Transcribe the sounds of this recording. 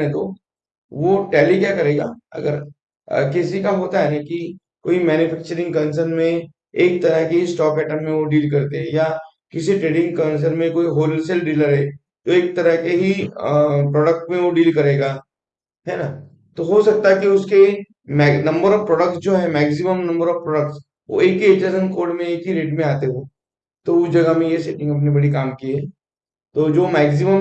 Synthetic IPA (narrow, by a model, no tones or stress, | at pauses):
ɛ̃t̪o | ʋoʈɛːlikjakɐɾeːɡa̰ːɐ̰ɡəɾ̰ | kɪsikaɦoːt̪aɦɛɛki | koːimɛːnʊfɛːk̚t͡ʃəɾɪ̃ŋɡkɐns̬əɾnmẽ | eːk̚t̪ɐɾəɦkeɦisʈɔːpɛːʈəmːẽʋoɖiːlkɐɾt̪eɦɛ̃ja | kɪsiʈɾeːɖɪ̃ŋɡkɐns̬əɾmẽkoːiɦoːlsɛlɖiːləɾɦɛː | t̪oeːk̚t̪ɐɾəɦkeɦi | pɾɔːɖək̚ʈmẽʋoɖiːlkɐɾeːɡaː | ɦɛna | t̪oɦosɐk̚t̪aɦɛkiʊske | mɛːnɐ̃mbəɾɔːʋpɾɔːɖək̚ʈsd͡ʒoːɦɛ̃mɛːks̬ɪməmnɐ̃mbəɾɔːʋpɾɔːɖək̚ʈs | ʋo̰eːkɦiet͡ʃasənkoːɾɖmẽeːkɦiɾeːʈmẽaːt̪eɦoː | t̪oʊsd͡ʒɐɡamẽjeseːʈɪ̃ŋɡɐp̬nibɐɽikaːmkiɛː | t̪oːd͡ʒoːmɛːɡsɪməm